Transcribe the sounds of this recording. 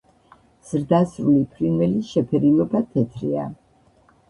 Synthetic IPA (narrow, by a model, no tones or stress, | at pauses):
z̥ɾd̪asɾulipʰɾinwɛliʃɛpʰɛɾilɔbat̪ʰɛt̪ʰɾḭa